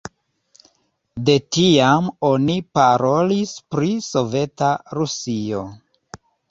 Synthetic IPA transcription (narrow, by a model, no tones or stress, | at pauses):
de̞tiamo̞nipaɾo̞lispɾiso̞ve̞taɾusio̞̰